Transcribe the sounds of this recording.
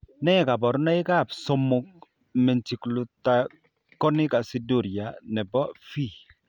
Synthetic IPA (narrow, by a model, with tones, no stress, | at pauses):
nɛ˦ɛ˨ka˨bɔ˨ɾna˦ɪ˦ka˦˨pso˦mʊ˦k̚ | mɛ˨nt͡ʃi˨klu˨t̪a˨ | kɔ˦nɪ˦ka˨si˦du˦˨ɾja˨nɛ˨bɔ˦fi˦˨